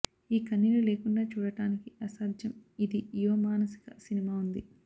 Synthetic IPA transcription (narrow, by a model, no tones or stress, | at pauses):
iːkɐnːilule̞ːkuɳɖaːt͡ʃuːɽɐʈaːnikiɐsaːd̪ʱjɐmid̪ijuʋɐmaːnɐsi̥kɐsinimaːund̪i